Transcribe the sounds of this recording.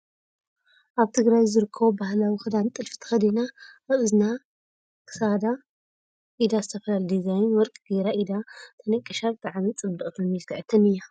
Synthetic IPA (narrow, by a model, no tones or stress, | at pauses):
ʔaβt̪ʰɨɡɾajzɨɾɨkʰːɐβobahlawixɨd̪ant̪ʼɨlfi̥t̪ʰɐ̥xɐd̪inaɨʔɨzna | kʰɨ̥sad̪a | ʔid̪azɨt̪ʰɐfɐlald̪izajnwɔɾkʼɡeɾaʔid̪at̪ʰɐnɐkʼːiʃalt̪ʰʼaʕanɨnt͡sʼɨbd̪ɨkʼt̪ʰɐmilkʰɨʕɨt̪ʰɐnɨjːa